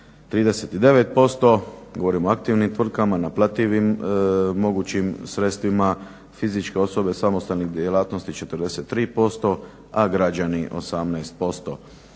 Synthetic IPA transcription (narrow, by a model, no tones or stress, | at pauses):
t̪ɾiːd̪e̞set̪id̪e̞ʋe̞t̪̚po̞st̪o̞ɡoʋo̞ɾimoakt̪iʋnimt̪ʋr̩kamanaplat̪iʋimː | o̞ɡuːt͡ɕimsɾe̞t̪st̪ʋima | fizit͡ʃke̞o̞so̞be̞samost̪alniɣd̪jelˠaːt̪no̞st̪it͡ʃe̞t̪ərd̪e̞se̞t̪ːɾiːpo̞st̪o̞ | aɡɾad͡ʒaniʔo̞̰samnajst̪̚po̞st̪o̰